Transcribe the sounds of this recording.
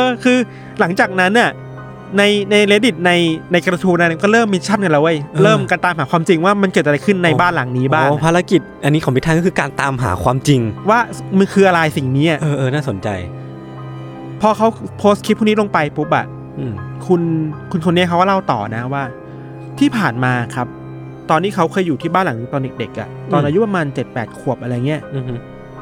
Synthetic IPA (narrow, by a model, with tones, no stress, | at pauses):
ʔɤː˧kʰɯː˧ | la˩˦ŋt͡ɕaː˨˩k̚na˦˥nʔa˨˩ | na˧jna˧jleː˧˥di˨˩t̪̚na˧jna˧jka˧t̪ʰuː˧na˧˥˩na˧˩kɔː˥˩ɾɤː˥˩mːiː˧t͡ɕʰa˥˩nka˨˩la˦wa˥˩jɾɤː˥˩mkaː˧nt̪aː˧mɦaː˩˦kʰwaː˧mt͡ɕi˧ŋwaː˥˩ma˧nkɤ˨˩t̪̚ʔa˧jkʰɯ˥˩nːa˧jbaː˥˩nla˨˩˦ŋniː˦˥baː˥˩˧pʰaː˧˥la˧˥ki˨˩t̪̚ʔa˧nːiː˦˥kʰɔ˨˦pi˦t̪ʰa˥˨kɔː˥kʰɯː˧kaː˧nt̪aː˧mɦa̰ː˩˦kʰwaː˧mt͡ɕi˧ŋwaː˥˩ma˧nkʰɯː˧ʔa˧ɾa˧jsi˨˩ŋniː˦˥ʔa˨˩ʔɤː˧ʔɤː˧naː˥˩so˨˩˦nt͡ɕa̰˧j | pʰɔː˧kʰa˦˥wpʰoː˦˥st̪̚ʰi˦˥uː˥˩niː˦˥lo˧ŋpa˧jpʰu˦˥p̚ʔa̰˨˩˧ | kʰu˧nkʰu˧nkʰo˧nːi˦˥˩kʰwa˥˩la˥˩wt̪ɔ̰ː˨˩na˦˥waː˥˩ | t̪ʰiː˥˩pʰaː˨˩nmaː˧˩kʰa˦˥p̚ | t̪ɔː˧nːiː˦˥kʰa˦˥wkʰɤː˧jːuː˨˩t̪ʰiː˥˩baː˥˩nla˨˩˦ŋni˧˩t̪ɔː˧nde˨˩k̚de˨˩k̚ʔa̰˩t̪ɔː˧nʔaː˧ju˦˥pa˧maː˧nt͡ɕe˨˩t̪̚pɛː˨˩t̪̚kʰu˨˩əp̚ʔa˧ɾa˧jŋi˦˥ɐʔ